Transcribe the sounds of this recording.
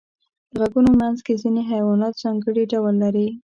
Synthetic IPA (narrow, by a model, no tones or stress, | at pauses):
d̪̥əɣaɡunomanzkezineɦajwɑnɑt̪z̥ɑŋɡəɽiɖawəlːaɾi